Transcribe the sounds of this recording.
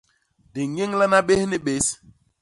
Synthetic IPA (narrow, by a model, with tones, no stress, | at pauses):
di˨ŋ˦e˦ŋla˦na˦ɓe˦hni˦ɓe˦s